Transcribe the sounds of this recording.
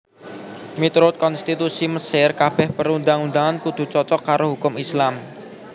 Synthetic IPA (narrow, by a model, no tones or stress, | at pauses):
mit̪ɾʊt̪̚kɔnst̪it̪usiməsɪrkab̥ɛhpəɾund̪aŋund̪aŋankud̪̥ṳt͡ʃɔt͡ʃɔkaɾoɦukʊmislam